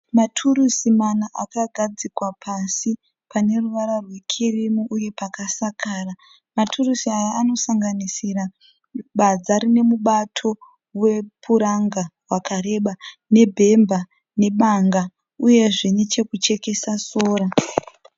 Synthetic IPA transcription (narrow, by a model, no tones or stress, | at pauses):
matʰurusimanaʔakaɡʱad͡zikwapʰasi | pane̞ruʋaɾarwe̞kʰirimuʔuje̞pakasakʰaːra | matʰurusiaːno̞saŋɡanisira | ɓad͡zaɾine̞muɓatʰo̞ | we̞pʰuɾaŋɡarwakaɾe̞ɓane̞bʱe̞mba | ne̞ɓaŋɡa | uje̞ʐenet͡ʃe̞kut͡ʃe̞ke̞sasoːɾa